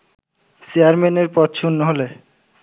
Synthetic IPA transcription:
siaɾmeneɾpɔt̪ʃʰunːoɦole

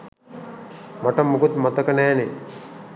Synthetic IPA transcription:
maʈəmːukut̪mat̪əkənæːne

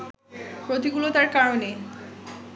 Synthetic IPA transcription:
pɾot̪iɡulot̪aɾkaɾone

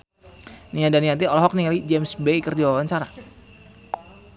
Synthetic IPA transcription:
niadaniat̪̬iɔlɔɦɔk̚niŋalid͡ʒɛmsbekərdiwawaɲt͡ʃaɾa

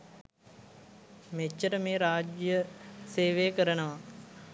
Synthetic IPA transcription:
met͡ʃːəʈəmeːɾaːd͡ʒjəseːʋejkəɾənəʋa

